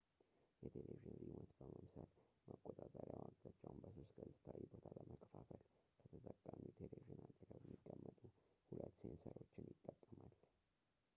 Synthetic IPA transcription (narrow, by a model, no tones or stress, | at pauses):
jɛt̪ʰeleviʒɪnhimət̪bəməmsəl | məkʼːot̪ʼat̪ʼəɾjawaɡt̪ʰat͡ʃʼːaumbəso̞st̪ɡəzɨt̪ʰawibo̞t̪ʰaləməkʰəfafəl | kʰət̪ʰət̪ʼəkʼːamit̪ʰeleviʒɨnad̪ʼəɡəβjɛmːikʼːəmːət̪ʼuhulət̪ːsensəɾo̞t͡ʃːɪnjɪt̪ʼːəkʼːəmal